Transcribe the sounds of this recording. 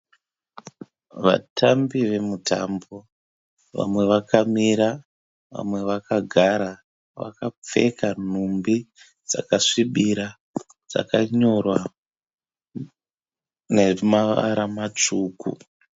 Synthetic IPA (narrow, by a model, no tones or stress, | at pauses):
ʋa̰tʰambiʋe̞mutʰa̰mbo | ʋa̰mwe̞ʋakamiɾa | ʋa̰mwe̞ʋakaɡʱaɾa | ʋa̰kap͡fe̞̰kan̤umbi | d͡za̰kaʂiɓiɾa | d͡z̥a̰kaɲo̞rwa | nemaʋa̰ɾamat͡ʂuːkṵ